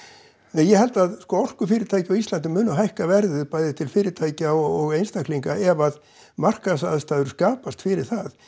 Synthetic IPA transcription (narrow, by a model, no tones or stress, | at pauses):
ɛnjɛhɛlt̪aðskɔːɔr̥kʏfɪːɾɪɾt̪ʰaːjcɪaɔislant̪̬ɪmʏːnaɦajhkavɛɾðʏpaːjðɪt̪ʰɪlfɪːɾɪt̪ʰaːjcaɔɔɣejnst̪akʰliŋkaɛvað | mar̥kasaðst̪aːðʏɾ̥skaːpast̪fɪɾɪɾ̥θað